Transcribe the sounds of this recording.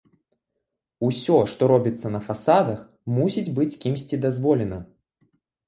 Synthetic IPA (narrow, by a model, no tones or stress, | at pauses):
usʲɔʂt̪ɔɾɔbʲit̪sːɐnɐfasad̪ɐx | musʲid͡zʲbɨt͡sʲkʲimsʲt͡sʲid̪azvɔlʲɛnɐ